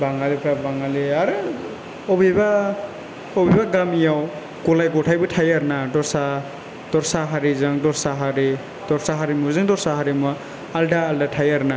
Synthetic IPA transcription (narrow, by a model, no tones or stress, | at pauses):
baŋalipʰɾabaŋaliaɾɯ | ɔbiba | ɔbibaɡamijaw | kɔlajɡɔtʰajbɯtʰajaɾnadɔɾsa | d̥ɔɾsaɦaɾizɯŋdɔɾsaɦaɾi | d̥ɔɾsaɦaɾimuzɯŋdɔɾsaɦaɾimɔ | aldaːldatʰajaɾna